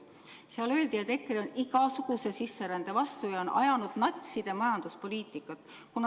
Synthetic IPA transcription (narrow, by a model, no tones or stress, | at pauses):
seɑlø̞ld̪ijɑt̪ekːˑiɾeniɡ̥ɑsuɡ̥use̞sisːeɾænd̪̥e̞vɑst̪ujɑonʔɑ̰jɑnud̪̥nɑt̪ʲsid̪̥e̞mɑjɑnd̪̥uspo̞liːt̪ˑikːˑɑt̪ːˑkun